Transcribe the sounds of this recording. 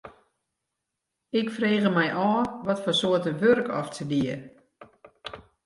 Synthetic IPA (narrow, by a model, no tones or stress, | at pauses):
ɪkfreːɣəmɛjʔɔːʋɔtfɔsoətəʋørkɔftʰədiə